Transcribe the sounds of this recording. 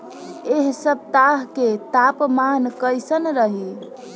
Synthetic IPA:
eɦsəb̚t̪aɦket̪apmankəjsənɾəɦi

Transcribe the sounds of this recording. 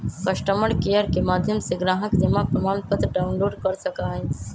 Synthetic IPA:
kɐʃʈəməɽkejəɾkemaːd̪ʱjəmseɡɾaːɦəkd̪emapɾəmaːnpət̪ɾɖaːʊnloːɖkɐɾsɐkaːɦɛ̃

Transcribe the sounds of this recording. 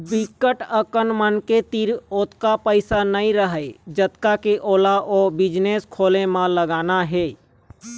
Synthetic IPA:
bikːəʈəkənmənket̪iɾoːt̪kapəɪsanəĩɾəɦəd͡ʒət̪kakeʔoːlaʔobɪd͡ʒneskʰoːlemãləɡaːnaɦeː

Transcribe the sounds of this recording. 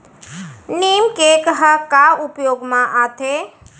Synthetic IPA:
niːmkekəɦəkaʊpjoːɡmãʔaːt̪ʰe

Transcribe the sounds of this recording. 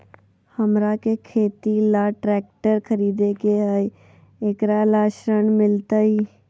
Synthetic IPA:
həmɾakekʰeːt̪ilaːʈɾɛːk̚ʈəɾkʰəɾiːd̪ekeɦəj | eːkɾalaːʃɾəɳmɪlt̪aiː

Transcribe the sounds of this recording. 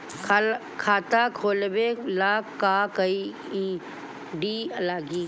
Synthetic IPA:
kʰ | kʰaːt̪akʰoːlbelaːkːaːkəi | ĩ | ɖiːəlaːɡi

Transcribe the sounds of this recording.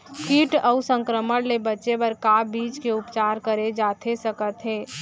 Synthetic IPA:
kiːʈəʊsə̃ŋkɾəməɽlebətːʃepəɾkabiːt͡ʃkeʊpt͡ʃaːɾkəɾed͡ʒaːt̪ʰesəkət̪ɦeː

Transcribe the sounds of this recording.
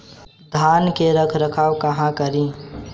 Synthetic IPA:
d̪ʱaːnkeɾəkʰɾəkʰaːwkɐɦãkəɾĩː

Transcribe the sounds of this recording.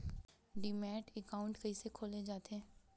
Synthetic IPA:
ɖimɛːʈɛkaːʊ̃ɳʈkɐɦisekʰoːled͡ʒaːt̪eɦɛ̃ː

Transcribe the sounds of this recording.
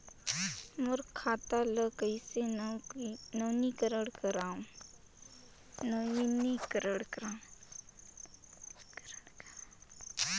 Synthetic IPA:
mʊɾkʰːaːt̪aləkəɪse | nənikəɾəɽkəɾaːũ | nəinikəɾəɽkəɾãː

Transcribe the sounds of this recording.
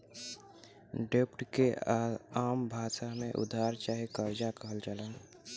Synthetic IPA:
ɖepʈke | aːmbʱaːsamẽʔʊ̰d̪ʱaːɾt͡ʃaːɦikəɾd͡ʒakəɦəld͡ʒalən

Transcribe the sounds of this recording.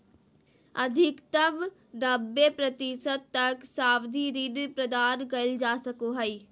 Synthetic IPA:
ɐd̪ʱɪkt̪əm | nɐbepɾɐt̪isət̪ːɐksaːwd̪ʱiɾinpɾɐd̪aːnkɐld͡ʒaːsɐkoɦɐi

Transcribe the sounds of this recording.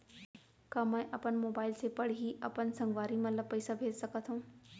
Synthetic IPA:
kɐmãɪ̃ʔɐpənmoːbaːɪlsepɐɽ̤iɦiʔɐpənsɐ̃ŋɡʋaːɾimɐt̪ləb̚pɐisabʱeːd͡ʒsɐkət̪ʰõː

